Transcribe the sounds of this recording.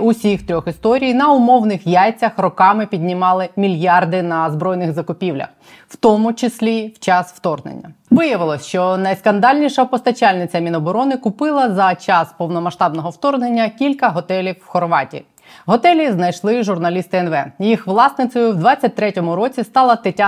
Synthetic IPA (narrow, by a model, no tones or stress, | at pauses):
ʊsʲixt̪ɾʲɔxist̪ɔɾʲijnɐʊmɔwnɪxjajt͡sʲɐxrɔkɑmɪpʲidʲnʲɪmɑlˠɪmʲilʲjɑrd̪ɪnɐzbɾɔjnɪɣzɐkʊpʲiwlʲɐ̰x | wt̪ɔmʊt͡ʃɪsʲlʲiwt͡ʃɑsʋwt̪ɔrnḛnʲːɐʋɪjɐʋɪlˠɔsʲʃt͡ʃɔnɐjskɐnd̪ɑlʲnʲiʃɐpɔst̪ɐt͡ʃalʲnɪt͡sʲɐmʲinɔbɔɾɔnɪkʊpɪlˠɐzɐt͡ʃɑspɔwnɔmɐʃt̪ɑbnɔɦɔwt̪ɔrnenʲːɐkʲilʲkɐɦɔt̪ɛlʲiwːxɔrʋɑtʲḭ | ɦɔt̪ɛlʲiznɐjʃlˠɪʒʊrnɐlʲist̪ɪɛnʋɛjixʋlˠɑsnɪt͡s̪ʲɔjʊwd̪ʋɑt͡sʲːɐt̚ʲt̪ɾɛtʲɔmʊɾɔt͡sʲist̪ɑlˠɐt̪ɪtʲː